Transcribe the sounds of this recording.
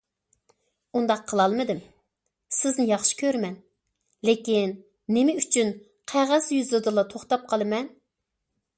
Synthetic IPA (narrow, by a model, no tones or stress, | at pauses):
und̪ɑqʰːəlˠɑlˠmɨd̪ɪm | sɪznɪjɑχʃi̥kʲøɾmɛn | lɪkʲinː | ɪmɪyt͡ʃʰyn | qʰæʁæzjyzɨd̪ɨlˠɑt̪ʰoχt̪ɑp̚qʰɑlˠɨmɛn